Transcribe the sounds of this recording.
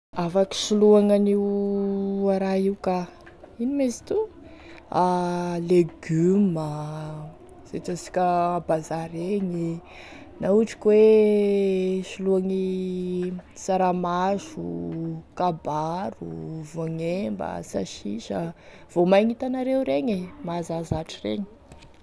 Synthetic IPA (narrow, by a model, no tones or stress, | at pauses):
afaki̥ʃuluaŋani | aɾaɦiuka | inimezit̪u | aleɡymə | z̥ḛʈ͡ʂasi̥kʲəːbazaɾeɲi | nauʈ͡ʂi̥kwe | ʃuluaŋi | saɾamaʃukabaɾṵvoŋembə̰saʃḭʃəv̥omajŋit̪anaɾeuɾeŋemazazaʈ͡ʂirḛɲi̥